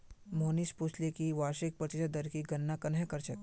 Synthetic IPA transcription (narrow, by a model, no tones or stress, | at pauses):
moːnisput͡ʃʰlekiʋaːʃik̚pɾɐt̪ɪʃəd̪ɐɾkiɡɐnːakɐnɦẽkɐɾt͡ʃɐk̪